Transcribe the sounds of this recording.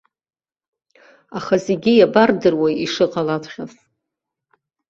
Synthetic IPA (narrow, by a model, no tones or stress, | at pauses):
aχaze̞ɡʲijabardɨrwaiʂɨqʼalatʷʰχʲas